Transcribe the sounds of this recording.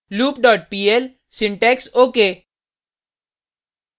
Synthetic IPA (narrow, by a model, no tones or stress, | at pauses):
luːpɖɔːʈ̚piːel | sɪ̃ɳʈɛːksoːkeː